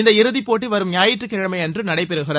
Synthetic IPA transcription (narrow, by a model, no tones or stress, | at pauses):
ɪnd̪ɐɪɾɯðipːoːʈ̬ːiʋɐɾɯmɲaːjɪʈrɯkːɪɻɐmɐɪɛndrɯnɐɽɐɪpɛɾɯɣɪrɐ